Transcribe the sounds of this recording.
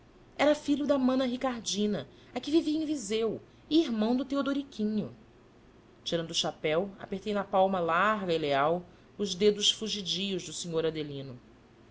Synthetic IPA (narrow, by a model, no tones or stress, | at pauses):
ɛɾɐfiʎʊd̪ɐmɐ̃nɐɦikaɾd͡ʒĩnɐ | ɐkɪ̃viviɐẽj̃vizew | ɪiɦmɐ̃w̃d̪ʊt̪eod̪oɾikʲʰĩɲʊ | t͡ʃiɾɐ̃nd̪ʊːʃapɛwa̰peht̪ejnɐpawmɐlaɾɡɐileaw | ʊʒd̪ed̪ʊʃfuʒid͡ʒijʊʒd̪ʊsiɲoɾad̪elĩnʊ